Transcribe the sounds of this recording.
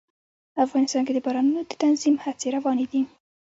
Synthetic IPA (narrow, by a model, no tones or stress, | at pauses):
afɣɑnɪst̪ɑnked̪əbaɾɑnunod̪ət̪anzimhat͡seɾawɑned̪i